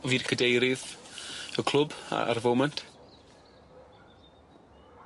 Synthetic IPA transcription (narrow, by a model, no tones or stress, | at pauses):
viːrkʰədejɾɨð | əkʰl̥ˠʊba̰a̰rvowmɛntʰ